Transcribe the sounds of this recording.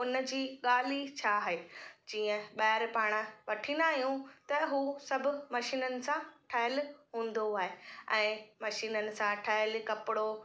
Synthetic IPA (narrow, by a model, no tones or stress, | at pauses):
ʊnd͡ʑiːɠaːlit͡ɕʰaːɦeːd͡ʑiːə̃ɓaːɪɾpaːɽ̃əʋɐʈʰĩːnd̪aːɦijũt̪ɐɦuːsɐbʱʊ̆mɐʃiːnənɪ̆sãʈʰɐɦəlɦũːn̆d̪oaːɦeɛ̃ːmɐʃiːnənɪ̆sãʈʰɐɦəlkɐpɪɽo